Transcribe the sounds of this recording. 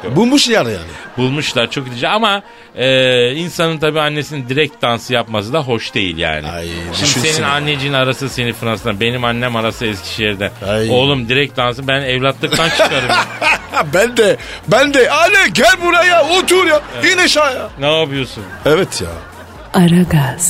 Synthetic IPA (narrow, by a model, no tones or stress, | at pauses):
bulˠmuʃijaɾja̰ːnɪ̰bulˠmuʃlˠaɾt͡ʃʰo̞kilʲid͡ʒɛama | ɯːinsanɯnt̪ʰabiːanːe̞sinind̪iɾɛc̚t̪̚d̪ansɯjapmasɯd̪aɦo̞ʃd̪e̞̰jḭlʲja̰ːnɪ̰a̰jʃimd̪ise̞ninanːed͡ʒinaɾasɯse̞nifɯɾansɯnabe̞nimanːɛmaɾasɯɛscʰi̥ʃijɛɾd̪ænajolˠumd̪iɾɛc̚t̪̚d̪ans̬ɯbænɛvlʲat̪lˠɯk̚t̪ʰant͡ʃʰkaɾɯ | bænd̪ɛbænd̪ɛalɛɟælʲbuɾajaot̪ʰuɾjainɛʃajanaːbˠɯjo̞sunɛvɛt̪ʰja̰ | aɾaɡaz̥